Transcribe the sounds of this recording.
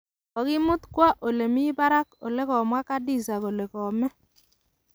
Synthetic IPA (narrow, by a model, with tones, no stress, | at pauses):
ɔ˨kɪ˦mʊ˦t̪kwa˦ʔo˨le˨mɪ˦ba˦ɾa˦ko̰˨le˦kɔ˨mwa˦ka˦dɪ˦˨sa˨ko˨le˨kɔ˨mɛ˦